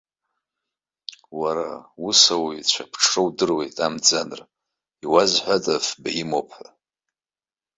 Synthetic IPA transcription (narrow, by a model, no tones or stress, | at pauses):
waɾausawijt͡ɕʷʰapʰʈ͡ʂʰɨwdɨrwe̞̰jtʼamd͡zanɨr | iwazħʷatʼafbaimopʰħʷa